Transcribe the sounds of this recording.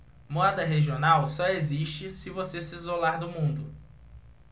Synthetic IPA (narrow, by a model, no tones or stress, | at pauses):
moɛd̪ɐɦeʒionawsɔeziʃt͡ʃɪsɪvosesɪizolaɾd̪ʊmũnd̪ʊ